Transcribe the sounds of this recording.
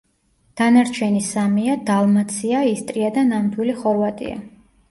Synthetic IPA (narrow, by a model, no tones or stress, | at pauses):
d̪̥anaɾt͡ʃʰɛnisamiad̪alˠmat̪sʰiaist̪ʼɾiad̪anamd̪wiliχɔɾvat̪ʼḭa̰